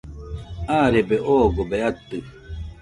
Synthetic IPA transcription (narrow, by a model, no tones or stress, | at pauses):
aːɾebeʔoːɡobeat̪ːɯ